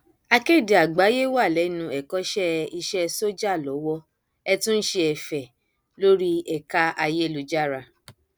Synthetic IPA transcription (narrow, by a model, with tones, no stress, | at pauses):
a˧ke˦˨di˨a˨ɡ͡ba˨˦je˦wa˦˨lɛ˨˦nũ˧ɛ˨kɔ˨˦ʃɛ˦i˧ʃɛ˧so˦d͡ʒa˦˨lɔ˨˦wɔ˧ | ɛ˧tũ˦n̩˦ʃe˧ɛ˨fɛ˨ | lo˦ɾi˦ɛ˨ka˦a˧je˦˨lu˧d͡ʒa˦˨ɾa˧